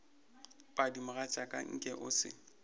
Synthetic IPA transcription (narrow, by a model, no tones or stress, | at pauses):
pʼadimʊɣat͡ʃʼakʼa̰ŋ̩kʼɛʔʊ̰sɪ̰